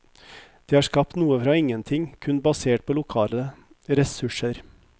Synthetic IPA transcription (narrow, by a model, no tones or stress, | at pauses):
d̪̥eːhɑːʂkɑp̚t̪nuːəfɾɑːɪŋənt̪ʰɪŋkʰʉnbɑseːʈ̚pʰoːlʊkʰɑːləə | ɾɛsʉʂəɾ